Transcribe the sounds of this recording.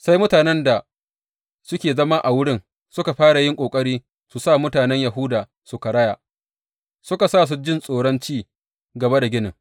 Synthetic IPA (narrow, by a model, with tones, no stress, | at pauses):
sa˦jmʊ˦taː˨nɛ˦nda˨ | sʊ˦kʲeː˨zɐ˦ma˦ʔa˨wʊ˦ɽɪ˦ŋ | sʊ˦ka˨ɸaː˦ɽa˨jɪ˦ŋkʷʼoː˨kʼɐ˦ɽiː˦ | su˨sa˦˨mʊ˦taː˨nɛ˦ɲja˨ɦʊ˦daː˨ | sʊ˨ka˨ɽɐ˦ja˨ | sʊ˦ka˨saː˦˨s̬u˦d͡ʒɪ˦nsʼoː˨ɽɔ˦nt͡ʃiː˦ | ɡɐ˨ba˦da˨ɡʲɪ˦nɪ˨ŋ